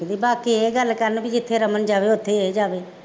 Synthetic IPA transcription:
d̪iːbaːkiːeːɡəlːkəɾnbʱid͡ʒɪt̪ʰːeːɾəmənd͡ʒaːʋeːʊt̪ʰːed͡ʒaːʋeː

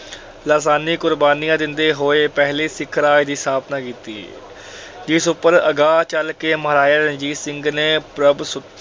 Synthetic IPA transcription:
laːsaːniːkʊɾbaːnijãːd̪ɪnd̪eːɦoːeːpɛɦliːsɪkʰːəɾaːid̪iːsaːbnãːkiːt̪ḭː | d͡ʒɪsʊpːəɾəɡaːt͡ʃəlkeːməɾaːjaːɾəd͡ʒiːsɪŋɡneːpɾəbsʊ

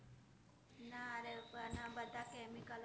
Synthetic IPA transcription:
naɾebanabət̪akemikal

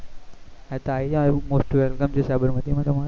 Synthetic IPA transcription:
ɛ̃t̪ɐaːiãmoːsʈʋɛlkəmd͡ʑiːsɐbəɾmɐt̪imãt̪ɐmã

